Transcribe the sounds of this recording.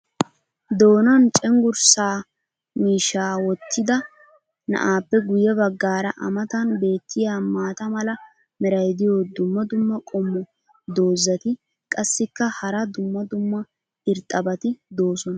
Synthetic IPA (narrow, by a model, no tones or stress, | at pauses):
d̪o̞ːnɐnt͡ʃʼɛŋɡʊɾsaː | miːʃːaːwɔt̪ʰːɪd̪ɐ | nɐ̰ʔaːpːɛɡʊjɛbɐɡːaːɾɐʔɐ̰mɐt̪ɐnbe̞ːt̪ːɪjaːmaːt̪ɐmɐlɐ | mɪɾɐjd̪ɪjo̞ːd̪ʊmːɐd̪ʊmːɐkʼɔmːɔ | d̪o̞ːzːɐt̪ɪ | kʼɐsːɪkːɐhɐɾɐd̪ʊmːɐd̪ʊmːɐ | ɪɾt̪ʼːɐbɐt̪ɪd̪o̞ːsɔnɐ